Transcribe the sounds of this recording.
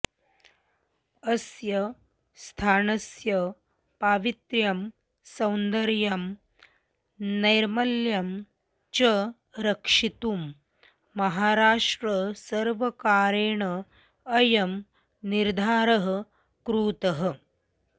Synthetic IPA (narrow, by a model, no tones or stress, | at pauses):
ɐsjɐ | st̪ʰaːnɐsjɐ | paːʋit̪ɾjɐm | sɐwnd̪ɐɾjɐm | nɐjɾmɐljɐm | t͡ʃɐ | ɾɐkʂit̪umː | ɐɦaːɾaːʂʈɾɐsɐɾʋɐkaːɾeːɳɐː | jɐm | niɾd̪ʱaːɾɐɦɐ̆ | kɾuːt̪ɐɦɐ̆